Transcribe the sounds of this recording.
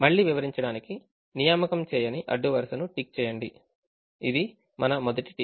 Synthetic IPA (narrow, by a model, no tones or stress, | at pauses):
mɐɭːiːʋiʋɐɾiɲt͡ʃɐɽaːniki | nijaːmɐkɐmt͡ʃɛːjɐniʔɐ̰ɖːuʋɐɾsɐnuʈik̚t͡ʃɛːjɐɳɖi | id̪i | mɐnɐmɔd̪ɐʈi̥ʈi